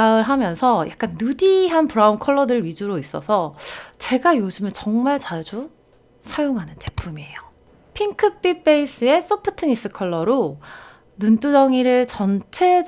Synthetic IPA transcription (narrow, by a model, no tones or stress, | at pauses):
aɯɭɦamjʌnsʰʌja̰k̚k͈anːudiɦanpuɾaunkʰʌɭːʌdɯɭɥid͡ʑuɾois͈ʌsʰʌt͡ɕe̞ɡajod͡ʑɯmjent͡ɕʌŋmaɭt͡ɕad͡ʑu | sʰajoŋɦanɯnt͡ɕe̞pʰumie̞jo | pʰiŋkʰɯp͈ip͈e̞is͈ɯe̞s͈ʌpʰɯ̥tʰɯɲis͈ɯkʰʌɭːʌɾo | nunt͈udʌŋiɾɯɭt͡ɕʌnt͡ɕʰe̞